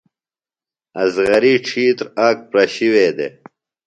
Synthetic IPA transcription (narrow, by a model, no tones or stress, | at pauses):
ɐzɣɐɾiːʈ͡ʂʰiːt̪ɾaːk̚pɾɐɕiweːd̪ḛː